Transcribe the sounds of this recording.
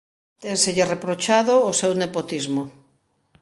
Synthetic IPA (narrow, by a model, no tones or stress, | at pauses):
t̪eŋseʎɪrepɾot͡ʃaðoːsewnepot̪izmo